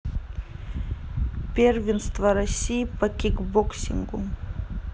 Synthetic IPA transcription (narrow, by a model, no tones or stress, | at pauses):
pʲeɾʲʋʲɪnst̪ʋɐɾɐsʲijipɐkʲɪkbɔksʲɪ̰ŋɡʊ